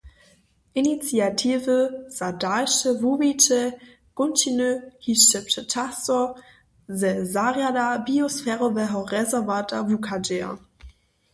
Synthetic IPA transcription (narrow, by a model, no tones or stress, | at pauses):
ʔinit͡sjatʰiːvəz̥adalʃəvubit͡ʃə | ɡ̥ʊntinøhiʃtəptətʰasɔ | zɛzaʁjadabiosfɛːʁovɛɦɔʁɛzɛɐvatavukʰad͡ʒɛːɐ̰